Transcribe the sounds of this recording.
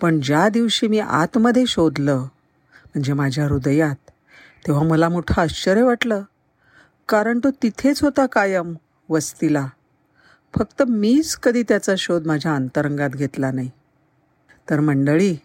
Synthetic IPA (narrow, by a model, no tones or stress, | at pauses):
pəɳd͡ʑjad̪iʋɕiːmiːʔa̰t̪məd̪ʱːjeɕod̪lə | m̤əɳd͡zemad͡ʑʱjaɾud̪jat̪ː | eʋ̤aməlamuʈʰaət͡ɕəɾjəʋaʈləː | kaɾəɳt̪ot̪it̪ʰet͡sɦot̪akajəm | ʋəst̪ila | fək̚t̪əmiːt͡skəd̪ʱiːt̪jat͡saɕod̪mad͡ʑʱjaənt̪əɾəŋɡat̪ɡʱet̪lanai | t̪əɾm̤əɳɖəɭiː